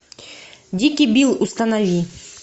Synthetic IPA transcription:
d̪ʲikʲibʲilˠust̪anavʲi

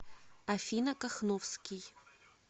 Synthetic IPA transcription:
ɐfʲinɐkaχnofskʲij

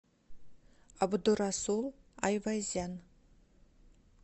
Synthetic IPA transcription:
abd̪urasulˠa̰jvajzan

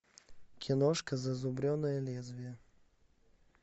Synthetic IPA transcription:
kʲʰɪnɔʂkɐzɐzʊbɾʲɔnɐjɐlʲɛzvʲijə

